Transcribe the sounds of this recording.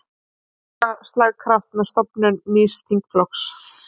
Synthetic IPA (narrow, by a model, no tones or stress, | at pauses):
ast̪laɣkʰɾaft̪mɛðst̪ɔpnʏnːiːst̪ʰiŋkflɔks